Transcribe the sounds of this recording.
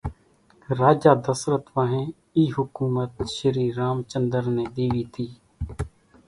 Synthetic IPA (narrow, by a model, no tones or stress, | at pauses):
ɾaːd͡ʒaːd̪əsɾət̪ʋãɦẽː | iːɦʊkuːmət̪ʃəɾiːɾaːmt͡ʃənd̪əɾneːd̪iːʋiːt̪ʰiː